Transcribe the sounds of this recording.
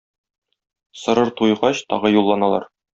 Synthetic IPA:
sɤ̆ɾɤɾt̪ujʁɑɕt̪ɒ̰ʁɤjulˠːɑnɑlˠɑ̰ɾ

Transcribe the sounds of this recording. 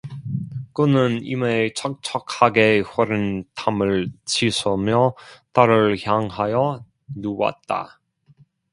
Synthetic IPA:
kɯnɯnḭmet͡ɕʰʌk̚t͡ɕʰʌkhaɡeɸʌɾɯntʰamɯɭt͡ɕʰisʰʌmjʌt͈aɾɯɭçjaŋɦajʌ | nuwa̰t̚t͈a̰

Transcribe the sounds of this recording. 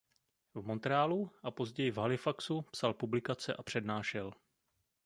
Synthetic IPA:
vmo̞nt̪ɾɛaːluʔapo̞zɟɛjɪvɦalɪfaksupsalpublɪkat͡sɛʔapr̝̥ɛdnaːʃɛl

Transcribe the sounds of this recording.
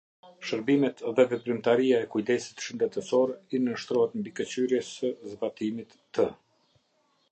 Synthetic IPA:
ʃəɾbimɛt̪ðɛvɛpɾimt̪aɾiaɛkujd̪ɛsi̥t̪ʃənd̪ɛt̪ɛsɔɾinəʃt̪ɾɔhat̪mbikət͡ɕyɾjɛsəzbat̪imit̪ːə

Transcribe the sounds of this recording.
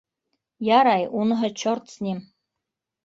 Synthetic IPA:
jaɾajunɦɤ̆t͡ɕort̪sʲnʲim

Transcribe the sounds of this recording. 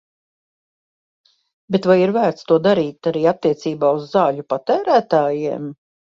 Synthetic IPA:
bet̪vajiɾvæːɾt̪st̪uɔd̪aɾiːt̪aɾiːat̪ːiɛt̪siːbaːuzːaːʎupat̪æːɾæːt̪aːjiɛm

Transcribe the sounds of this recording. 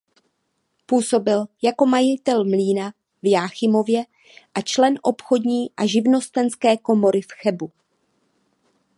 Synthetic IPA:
puːso̞bɪljako̞majɪt̪ɛlmliːna | vjaːxɪmo̞vjɛ | ʔat͡ʃlɛnʔo̞pxo̞dɲiːʔaʒɪvno̞st̪ɛnskɛːko̞mo̞ɾɪfxɛbu

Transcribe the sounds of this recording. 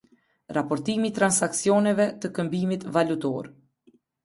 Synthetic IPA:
ɾapɔɾt̪imit̪ɾansaksjɔnɛvɛt̪əkəmbimit̪valut̪ɔ̰ɾ

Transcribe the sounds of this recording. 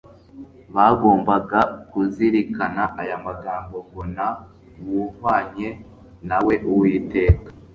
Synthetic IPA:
βaɡo̞ːmbaɡakuziɾikanaʔajamaɡaːŋɡo̞ɡona | wuhwaːɲe̞ | nawe̞ʔuwiːte̞ːkḁ

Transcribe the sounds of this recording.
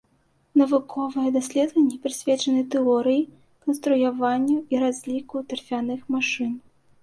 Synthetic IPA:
nɐvukʰɔvɨjɛd̪asʲlʲɛd̪vɐnʲːɛpʲɾɨsʲvʲɛt͡ʂɐnɨt̪ɛɔɾɨji | kɐnst̪ɾujavanʲːuiɾazʲlʲikut̪ɛrfʲanɨxmaʂɨn

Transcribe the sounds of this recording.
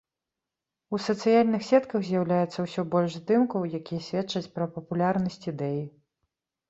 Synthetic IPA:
usɐt̪sɨjalʲnɨxsʲɛt̪kɐɣzʲjawlʲajɛt̪sːɐwsʲɔbɔlʲʐzd̪ɨmkɐwjakʲijɐsʲvʲɛtt͡ʂɐt͡sʲpɾɐpɐpulʲarnɐsʲt͡sʲid̪ɛji

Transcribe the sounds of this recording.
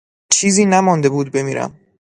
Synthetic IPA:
t͡ʃʰiːziːnæmɒnd̪e̞buːd̪̚be̞miːɾæ̰m

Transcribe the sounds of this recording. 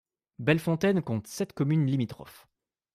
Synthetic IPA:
bɛlfɔ̃t̪ɛnkɔ̃t̪sɛt̪kɔmynlimit̪χɔ̰f

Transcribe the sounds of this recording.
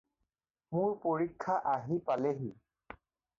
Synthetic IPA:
mʊɹpoɹikʰːaʔaɦipalɛɦi

